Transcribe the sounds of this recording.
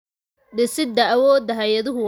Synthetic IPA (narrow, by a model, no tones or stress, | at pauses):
ɗɪsɪd̪ɐɐwɔːd̪ɐɦɐjɐðʊɦʊ